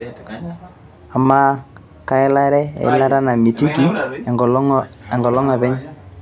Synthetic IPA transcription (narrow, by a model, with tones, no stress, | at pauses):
a˨ma˦ | ka˨ɪ˦la˦ɾɛ˦a̰˨ɪ̰˦la˦ɾa˦na˨mi˨ti˦ki˨ | ɛ˨ŋɡɔ˨lɔ˦ŋa˨βɛ˦ɲ